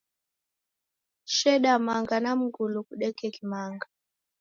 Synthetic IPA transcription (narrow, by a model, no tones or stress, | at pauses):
ʃɛɗamaŋɡanam̩ɡulukuɗɛkɛkimaŋɡa